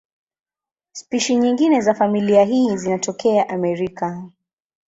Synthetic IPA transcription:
spiʃiɲiŋɡinɛzafamiliaɦiːzinatɔkɛaʔamɛɾika

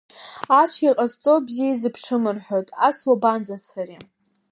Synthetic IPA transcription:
at͡ʃʷʰɡʲiqʼazt͡sʼobzijazɨpʰʂɨmɨrħo̞tʼaswaband͡zat͡sʰari

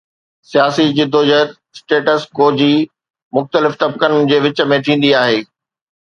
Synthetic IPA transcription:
sijaːsid͡ʑɪd̪ʱoːd͡ʑət̪ | sʈeːʈəskoːd͡ʑiː | mʊxt̪əlɪft̪ɐb̚kənɪd͡ʑeːʋɪt͡ɕə̆mẽt̪ʰĩːn̆d̪iaːɦeː

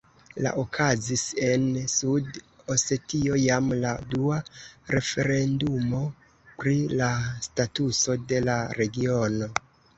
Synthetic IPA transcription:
la̰ʔokʰazise̞nsud | ose̞tio̞jamladuaɾe̞fe̞ɾe̞ndumo̞ | pɾilastatuso̞de̞laɾe̞ɡio̞no̞

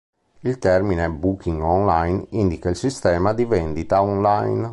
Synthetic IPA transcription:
ilt̪ɛrminebukʰiŋɡɔnlajnind̪ikailsist̪ɛːmad̪ivɛnd̪it̪aɔnlajn

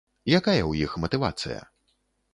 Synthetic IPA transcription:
jakajɐwjixmɐt̪ɨva̰t̪sɨ̰jɐ̰

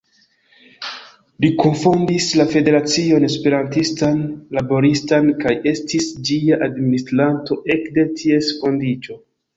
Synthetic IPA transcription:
likonfondislafe̞de̞ɾat͡sio̞ne̞spe̞ɾantistanlabo̞ɾistankaje̞stisd͡ʒiaʔadministɾanto̞ʔe̞kde̞tʰie̞sko̞ndit͡ʃo̞

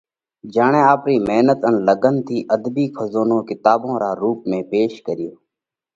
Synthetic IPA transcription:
d͡ʒaːɳẽːaːpɾiːmeːnət̪ənləɡənt̪ʰiːʔəd̪biːkʰəzoːnõːkɪt̪aːbõːɾaːɾuːpmẽːpeːʃkəɾɪjoː

